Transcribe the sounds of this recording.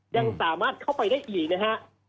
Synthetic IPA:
ja˧ŋsaː˨˩˦maː˥˩t̪̚kʰa˥˩wpa˧jdaː˥˩jʔiː˨˩k̚na˦˥ka˦˥ʔ

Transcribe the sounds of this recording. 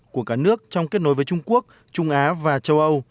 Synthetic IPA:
ku˧˩əkaː˧˩nɨ˦˥ək̚t͡ɕɔ˧wŋ͡mke˦˥t̚no˨˦jvəː˨˦t͡ɕʊ˧ŋ͡mku˦˥ək̚ | t͡ɕʊ˧ŋ͡mʔaː˨˦vaː˨˩t͡ɕə˧wʔə˧w

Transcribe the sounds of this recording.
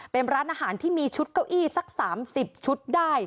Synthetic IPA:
pe˧nɾaː˦˥nʔaː˧ɦaː˩˦nt̪ʰiː˥˩miː˧t͡ɕʰu˦˥t̪̚ka˥˩wʔiː˥˩sa˦˥k̚saː˩˦msi˨˩p̚t͡ɕʰu˦˥t̪̚daː˥˩j

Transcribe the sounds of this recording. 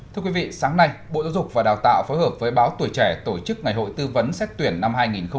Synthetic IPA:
t̪ʰɨ˧əkwi˨˦vḭ˧˨saː˨˦ŋna˧jɓo̰˧˨za˨˦zʊ˨˩k͡p̚vaː˨˩ɗaː˨˩wt̪a̰ː˧˨wfoː˨˦jhəː˨˩p̚vəː˨˦jɓaː˨˦wt̪wəjt͡ɕɛ˧˩t̪o˧˩t͡ɕɨ˦˥k̚ŋa˨˩jɦo̰˧˨jt̪ɨ˧və˨˦nsɛ˦˥t̚t̪wi˧˩ənːa˧mɦaː˧jŋi˨˩nxə˧ŋ͡m

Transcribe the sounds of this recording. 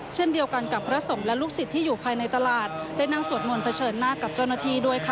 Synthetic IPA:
t͡ɕʰe˥˩˨ndi˧əwka˧nka˨˩pʰɾa˦˥so˩˦mlɛ˦˥luː˥˩k̚si˨˩t̪ʰːiː˥juː˨˩pʰaː˧jna˧jt̪a˧laː˨˩t̪̚daː˥˩jnaː˥˩ŋsu˨˩ət̪̚mo˧npʰa˧t͡ɕʰɤː˧nːaː˥˩ka˨˩p̚t͡ɕaː˥˩wnaː˥˩t̪ʰiː˥˩du˥˩əjkʰa˧˩

